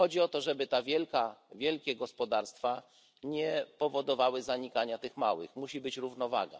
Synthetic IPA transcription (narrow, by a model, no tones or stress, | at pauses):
ɔd͡ʑiɔt̪ɔʐɛbɘt̪avʲjɛlkavʲjɛlkʲɛɡɔspɔd̪aɾst̪fa | ɲɛpɔvɔd̪ɔvawɘzaɲikaɲat̪ɘxma̰wɘ̰xmuɕibɘt͡ɕɾuvnɔva̰ɡa̰